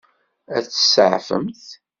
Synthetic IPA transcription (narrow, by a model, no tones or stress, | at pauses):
æθə̥səʕfə̰mθ